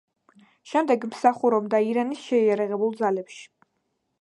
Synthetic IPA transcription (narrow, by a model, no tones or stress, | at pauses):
ʃɛmd̪ɛɡmsaχuɾɔbd̪aiɾanisʃɛiaɾaʁɛbulˠd̪zalɛpʃi̥